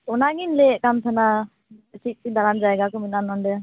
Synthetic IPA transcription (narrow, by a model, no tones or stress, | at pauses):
ɔnaŋinlɛkamt̪ʰana | sit̪̚sid̪aɾand͡ʒajɡakuminanɔndɛ